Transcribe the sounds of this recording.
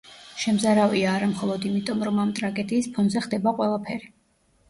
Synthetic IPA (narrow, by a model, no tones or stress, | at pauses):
ʃɛmzaɾaviaːɾamχɔlˠɔd̪imit̪ʼɔmɾɔmamt̪ʼɾaɡɛd̪iːspʰɔnzɛχd̪ɛbaqʼwɛlˠapʰɛɾi